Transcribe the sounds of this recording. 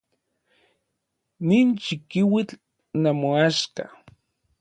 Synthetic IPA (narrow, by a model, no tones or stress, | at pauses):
niːnt͡ʃikiwit͡ɬ | namoaʃka̰